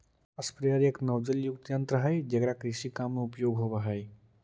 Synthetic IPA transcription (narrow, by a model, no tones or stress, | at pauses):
əspɾjaɾjəknəwd͡ʒəljuk̚t̪jənt̪ɾəɦəjd͡ʒɐɡɾakɾiʃikamːeupjoɡɦoʋəɦəj